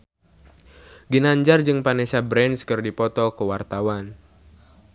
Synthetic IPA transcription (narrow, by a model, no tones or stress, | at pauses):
ɡinaɲd͡ʒard͡ʒɨŋpanɛsabɾɛnskɨrdipɔt̪ɔkəwart̪awan